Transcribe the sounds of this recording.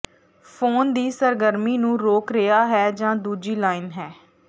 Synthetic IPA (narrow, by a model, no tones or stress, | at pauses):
pʰoːnd̪iːsəɾɡəɾmiːnũːɾoːkɾɪjaːɦɛːd͡ʒãːd̪uːd͡ʒiːlaːɪnɦɛː